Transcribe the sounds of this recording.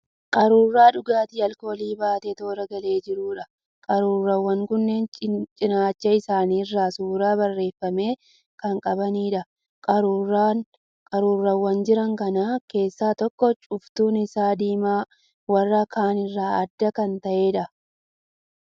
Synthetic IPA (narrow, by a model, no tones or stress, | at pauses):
kʼɐɾuːrːaːᶑʊɡaːt̪iːɐlko̞ːliːbaːt̪et̪o̞ːɾɐɡɐle̞ːd͡ʒɪɾuːᶑɐ | kʼɐɾuːrːɐwːɐŋkʊnːe̞ːnt͡ʃʼɪnaːt͡ʃːɐɪsaːniːɪrːaːsuːɾaːbɐrːe̞ːfːɐme̞ː | kɐŋkʼɐbɐniːᶑɐ | kʼɐɾua | kʼɐɾuːrːɐwːɐnd͡ʒɪɾɐŋkɐnaːke̞ːsːaːt̪ɔkːɔt͡ʃʼʊft̪uːnɪsaːd̪iːmaː | wɐrːɐkʰaːnɪrːaːɐd̪ːɐkɐnt̪ɐʔe̞ːᶑɐ